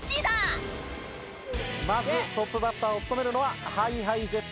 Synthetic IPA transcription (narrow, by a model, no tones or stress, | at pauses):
t͡ɕid̪a | mazɨt̪o̞pːɯ̟bat̪ːaːo̞t͡sɨ̥t̪o̞me̞ɾɯ̟no̞βahaiɦaize